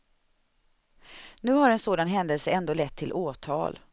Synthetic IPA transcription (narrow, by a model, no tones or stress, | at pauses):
nʉ̟ːɦaɾɛnsoːd̪anɦɛnd̪əlsəɛnd̪oːlɛt̪ʰːɪlʔoːt̪ʰɑ̰ːl